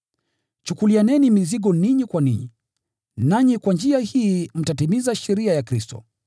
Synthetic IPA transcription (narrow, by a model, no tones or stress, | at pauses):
t͡ʃukulianɛnimiziɠɔniɲikwaniɲḭ | naɲikwand͡ʒiahiːm̩tatimizaʃɛɾiajakɾistɔ̰